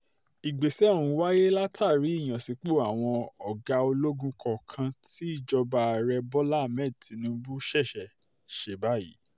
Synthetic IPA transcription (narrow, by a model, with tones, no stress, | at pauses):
i˨ɡ͡be˨sɛ˦˨ɾ̃ũ˧˦wa˦je˦la˦tʰa˦˨ɾi˨˦i˦˨j̃ã˨si˨˦k͡po˦˨a˨w̃ɔ̃˧ɔ˨ɡa˧˦o˧lo˦ɡũ˦kʰɔ˧kʰã˧ti˦i˦˨d͡ʒɔ˧ba˧˨ɾɛ˧bɔ˦la˦˨mɛ˦˨ti˨˦nũ˧˦bu˦ʃɛ˦˨ʃɛ˨ | ʃe˧˦ba˦˨jḭ˦